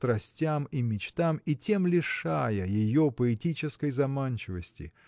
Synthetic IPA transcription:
t̪ɾɐsʲtʲamimʲɪt͡ɕt̪amitʲe̞mlʲɪʂajəjɪjopəɪtʲit͡ɕɪskəjzɐmanʲt͡ɕɪvəsʲtʲɪ̰

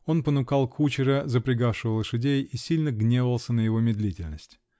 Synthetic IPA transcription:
o̞npənʊkalˠkʰut͡ɕɪɾəzəpɾʲɪɡafʂɨvəlˠəʂɨdʲejisʲilʲnəɡnʲevəvəlˠsʲənəjɪvo̞mʲɪd̪lʲitʲɪlʲnəsʲtʲ

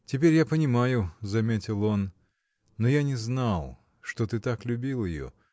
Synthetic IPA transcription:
t͡sʲɪpʲeɾʲjapənʲɪmajʊzɐmʲet͡sʲɪlˠɔnː | ɔjanʲɛznalˠ | ʂt̪ɔt̪ɨt̪aklʲʊbʲilˠjɪ̰jɔ̰

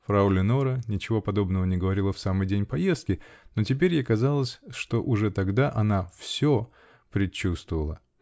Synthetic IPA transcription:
fɾaulʲɪnoɾənʲɪt͡ɕɪvo̞pɐd̪o̞bnəvənʲɪɡəvɐɾʲilˠəfsamɨjdʲenʲpɐje̞st̪̚kʲɪno̞tʲɪpʲeɾʲjakɐzalˠəsʲʂt̪o̞ʔʊʐɛt̪ɐɡd̪aʔɐnafsʲo | pɾʲɪt͡ɕːust̪vəvəlˠə

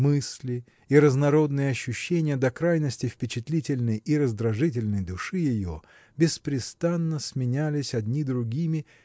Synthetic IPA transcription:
mɨsʲlʲɪ | iɾəznɐɾo̞d̪nɨjəɐɕːʊɕːenʲɪjəd̪ɐkɾajnəsʲtʲɪfpʲɪt͡ɕɪt̪lʲitʲɪlʲnəjiɾəzd̪ɾɐʐɨt̬ʲɪlʲnəjd̪ʊʂɨjɪjo̰ | bʲɪspɾʲɪst̪anːəsʲmʲɪnʲælʲɪsʲɐd̪ʲnʲid̪ɾʊɡʲimʲɪ

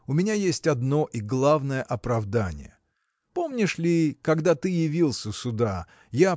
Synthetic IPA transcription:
ʊmʲɪnʲajesʲtʲɐd̪no̞ʔiɡlˠavnəjəʔɐpɾɐvd̪anʲɪ̰jə̰ | po̞mnʲɪʂlʲɪkɐɡd̪at̪ɨjɪvʲilˠsʲəsʊd̪a | ja

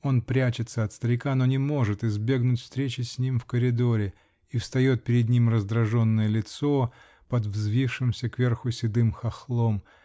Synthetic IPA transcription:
o̞npɾʲæt͡ɕɪt̪səɐt̪st̪əɾʲɪkano̞nʲɪmo̞ʐɨt̪ɪzbʲe̞ɡnʊtʲfst̪ɾʲet͡ɕɪsʲnʲimfkəɾʲɪd̪o̞ɾʲɪ | ifst̪ɐjo̞t̪̚pʲɪɾʲɪd̪nʲimrəzd̪ɾɐʐo̞nːəjəlʲɪt̪so̞ | pɐd̪vzvʲifʂɨmsʲəkvʲe̞rxʊsʲɪd̪ɨmxɐxlˠo̞m

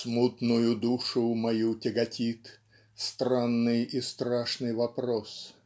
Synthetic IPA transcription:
smut̪nʊjʊd̪uʂʊmɐjutʲɪɡɐtʲit̪ | st̪ɾanːɨjist̪ɾaʂnɨjvɐpɾos

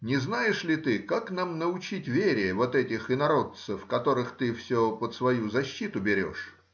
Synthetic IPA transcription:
nʲɪznajɪʂlʲɪt̪ɨkaknamnəʊt͡ɕitʲvʲeɾʲɪjəvo̞t̪ɛtʲɪxɪnɐɾo̞t̪səfkɐt̪o̞ɾɨxt̪ɨfsʲopət̪svɐjuzɐɕːit̪ʊbʲɪɾʲo̞̰ʂ

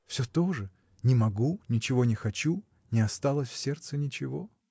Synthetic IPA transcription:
fsʲɵt̪o̞ʐɨ | nʲɪmɐɡunʲɪt͡ɕɪvo̞nʲɪxɐt͡ɕu | nʲɪɐst̪alˠəsʲfsʲe̞rt̪sɨnʲɪt͡ɕɪvo̞

